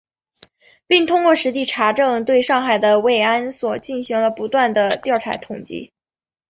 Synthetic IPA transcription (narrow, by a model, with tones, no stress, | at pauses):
pi˥˩ŋt̪ʰʊ˥ŋkwɔ˥˩ʂɻ̩˧˥t̪i˥˩ʈ͡ʂʰa˧˥ʈ͡ʂɤ˥˧ŋt̪we˥˧ɪʂɑ˥˩ŋxa˨˩ɪd̪ə˦we˥˩ɪa˥nswɔ˨˩t͡ɕi˥˩nɕi˧˥ŋlə˧pu˧˥t̪wa˥˩nd̪ə˩t̪jɑ˥˩ʊʈ͡ʂʰa̰˧˥t̪ʰʊ˨˩ŋt͡ɕḭ˥